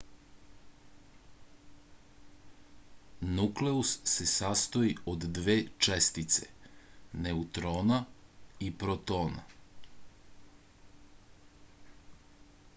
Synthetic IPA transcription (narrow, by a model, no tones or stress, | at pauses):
nukleusːesast̪o̞iod̪ːʋe̞ːt͡ʃest̪it̪seneut̪ɾoːnaipɾot̪o̞ːna̰